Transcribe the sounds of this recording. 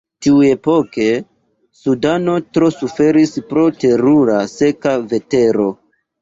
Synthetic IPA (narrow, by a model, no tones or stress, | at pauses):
tiue̞po̞ke̞ | sudano̞tɾo̞sufe̞ɾispɾo̞te̞ɾuɾase̞kave̞te̞ɾo̞